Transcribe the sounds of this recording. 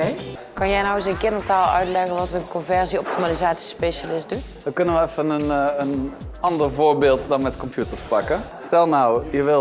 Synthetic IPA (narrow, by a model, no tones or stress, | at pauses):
kɑnjɛjnawɪsənkɪndəɹtaːlˠœ̰ɥtlɛɣənʋɑtənkɔnvɛɹziɔp̚timalizaːtsi̥speʃalɪsdutdɑkɵnənʋəɛfənənənɑndəɹvoːɹbeːlˠtdɑnmɛtkɔmpjutəɹspɑkəstɛlˠnawjəʋɪ